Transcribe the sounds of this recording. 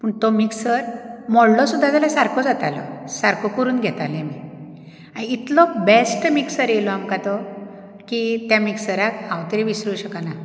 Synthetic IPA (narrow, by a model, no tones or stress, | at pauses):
pəɳt̪ɔmiksəɾmɔɽlɔsud̪ʱːad͡zalasaɾkʰɔd͡zat̪alɔ̰saɾkɔkəɾuːnɡʱɛt̪alemi | aiːt̪lɔbesʈmiksəɾjelɔamkat̪ɔ | kit̪jamiksəɾakɦawt̪əɾiʋisɾuɕəkana